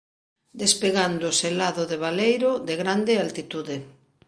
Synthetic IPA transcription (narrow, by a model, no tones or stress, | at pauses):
d̪espeɣand̪ʊselaðʊðeβ̞alejɾoðeɣɾand̪ealt̪it̪uðe